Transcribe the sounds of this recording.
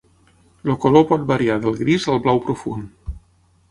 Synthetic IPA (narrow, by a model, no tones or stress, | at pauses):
lokolopɔt̪̚baɾiaðəlˠɣɾizəlˠβlawpɾofṵn